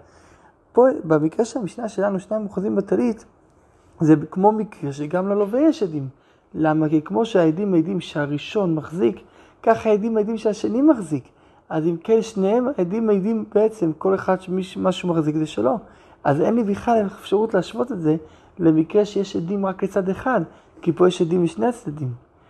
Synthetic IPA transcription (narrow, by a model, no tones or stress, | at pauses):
pobemikʁeʃeamiʃnaʃe̞lanuʃneimoχazimbetalit | zekmo̞mikʁeʃeɡamlo̞lovejeʃedim | lamakikmo̞ʃeaedimaid̪imʃeaʁiʃo̞nmaχzikː | aχaedimadimʃeaʃanimaχzik | azimkenʃnehemaedimajd̪imbeet͡se̞mko̞le̞χad̪ʃemiʃmaʃumaχzikzeʃelo̞ | ʔaze̞̰nlibiχalefʃaʁutleaʃbo̞t̪etze̞ | lemikʁeʃejeʃed̪imʁaklet͡sad̪eχad̪ | kipo̞jeʃedimliʃneat͡sd̪adim